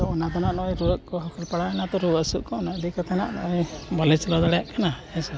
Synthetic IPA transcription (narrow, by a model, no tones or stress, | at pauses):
t̪ɔɔnad̪anaʔnɔʔɔjɾuəʔkɔɦɔkɔlpaɽaɛnat̪ɔɾuəʔsuʔkɔɔnaʔd̪ikat̪ʰana̰ʔnɔ̰ʔɔjbalɛt͡ʃɔlad̪aɽɛjaʔkʰana | ɛsɔ